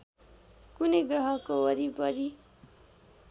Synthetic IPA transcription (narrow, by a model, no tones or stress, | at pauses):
kuneɡʌɦʌkoʌɾibʌɾi